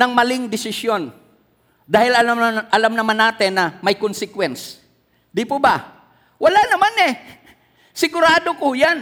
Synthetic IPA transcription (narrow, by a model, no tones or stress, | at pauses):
nɐŋmɐlɪŋd̪ɪsɪsjo̞n | d̪aːhɪlɐʔɐlamnɐmanːaːt̪ɪnːɐmɐjkonsɪkwɛns | d̪ɪpoba | wɐlanɐmanɛ | sɪɡʊɾaːd̪okojan